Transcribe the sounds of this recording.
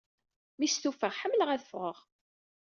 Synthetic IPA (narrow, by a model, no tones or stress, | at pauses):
mist̪ufəʁħəmːləʁæθfʁəʁ